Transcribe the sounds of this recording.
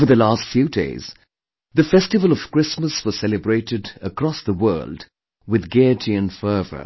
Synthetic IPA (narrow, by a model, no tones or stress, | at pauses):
ə˞ðəlastfjʉdḛɪz̥ | ðɨfɛstɨvəlˠʌv̥kɹ̥ɪsməswʌz̥sɛlɨbɹeɪtɨdəkɹ̥ɔsðəwɜ̰ːlˠd | wɨðɡɛtʰiɨ̃nfɜːvə̰˞